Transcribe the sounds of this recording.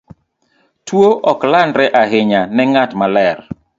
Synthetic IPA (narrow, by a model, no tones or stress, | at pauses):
twoʔɔklanɾɛʔaɦɪɲanɛŋatmalɛr